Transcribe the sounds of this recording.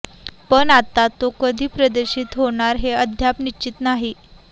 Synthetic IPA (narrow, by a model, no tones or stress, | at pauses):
pəɳat̪at̪okəd̪ʱiːpɾəd̪əɕiːt̪ɦoɳ̃aɾɦeəd̪ʱjapnit͡ɕit̪naɦi